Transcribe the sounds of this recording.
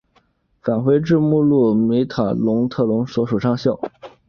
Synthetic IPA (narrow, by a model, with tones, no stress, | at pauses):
fa˨˩nxwe˧˥ɪʈ͡ʂɻ̩˥˧mu˥˧lu˥˩mi˧˥ɪt̪ʰa˨˩lʊ˧˥ŋt̪ʰɤ˥˩lʊ˧˥ŋswɔ˧˥ʂu˨˩ʂʰɑ˥˧ŋɕjɑ˥˩ʊ